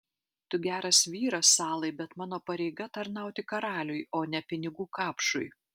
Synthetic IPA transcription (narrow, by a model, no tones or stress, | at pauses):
t̪ʊɡʲæːɾɐsʋʲiːɾɐsːɑːlˠɐɪbʲɛt̪mɑːnoːpɐɾʲɛɪɡɐt̪ɐɾnɑˑʊt̪ʲɪkɐɾɑːlʲʊjoːnʲɛpʲɪnʲɪɡuːkɑːpʃʊj